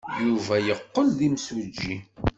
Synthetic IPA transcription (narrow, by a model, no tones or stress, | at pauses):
juvæjəqːəlðimswəd͡ʒːi